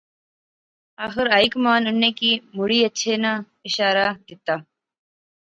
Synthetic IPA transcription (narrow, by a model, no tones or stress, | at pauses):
aːxɪɾaːjkmaːnʊnːekiːmʊɽiːɐtːʃʰeːna | ɪʃaːɾad̪ɪt̪aː